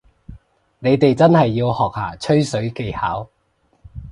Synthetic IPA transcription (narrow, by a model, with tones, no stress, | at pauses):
ne˨˧jt̪e˨jt͡sɐ˥nhɐ˨jːiː˧whɔː˨k̚haː˨˩t͡ʃʰɵ˥ɥsɵ˨˥ɥke˧jhaː˨˥w